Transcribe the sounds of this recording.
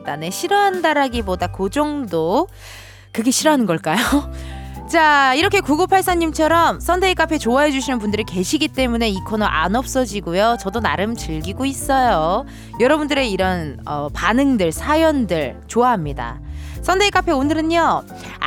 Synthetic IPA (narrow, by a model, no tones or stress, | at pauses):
dane̞ɕʰiɾʌaɦndaɾɦaɡibodakod͡ʑoŋdo | kɯɡe̞ɕʰiɾʌɦanɯnɡʌɭk͈ajo | t͡ɕaiɾʌkʰe̞kuɡopʰaɭs͈aɲimt͡ɕʰʌɾʌmsʰʌndʰeik͈apʰe̞t͡ɕoaɦe̞d͡ʑuɕʰinɯnpundɯɾike̞ɕʰiɡit͈e̞mune̞ikʰonʌʔa̰nʌp̚s͈ʌd͡ʑiɡujot͡ɕʌdona̰ɾɯmt͡ɕɯɭɡiɡois͈ʌjo | jʌɾʌbundɯɾe̞iɾʌnʌpanɯŋdɯɭsʰajʌndɯɭt͡ɕoaɦamɲida̰sʰʌndʰeik͈apʰe̞onɯɾɯɲo